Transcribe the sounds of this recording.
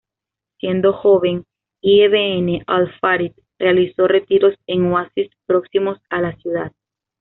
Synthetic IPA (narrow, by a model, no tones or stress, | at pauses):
sje̞nd̪o̞xo̞βe̞ŋ | ieβeene̞ʔalfaɾit̪̚ | realiso̞re̞t̪iɾo̞se̞ŋwasispɾo̞ksimo̞salasjuða̰ð